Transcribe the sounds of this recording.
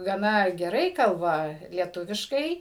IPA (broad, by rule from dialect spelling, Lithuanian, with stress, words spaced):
ɡɐˈnɐ ɡʲɛˈrɐɪ ˈkɐlˠbɐ lʲiɛˈtʊʋʲɪʃkɐɪ